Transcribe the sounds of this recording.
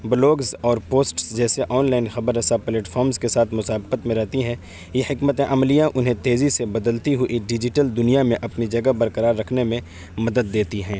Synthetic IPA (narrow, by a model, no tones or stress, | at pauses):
blɔːɡzɔːɾpoːsʈsd͡ʒɛːseʔɔːnlaːɪnxɐbəɾəsapleːʈfʰɔːɾmzkesaːt̪ʰmʊsaːbqət̪mẽɾɛɦt̪iɦɛ̃ː | jehɪkmət̪ẽʔɐmlijãʔʊnɦẽt̪eːzisebɐd̪əlt̪iɦʊʔiɖɪd͡ʒɪʈəld̪ʊnijamẽʔɐpnid͡ʒɐɡəbɐɾkəɾaːɾːɐkʰnemẽ | mɐd̪əd̪ːeːt̪iɦɛ̃ː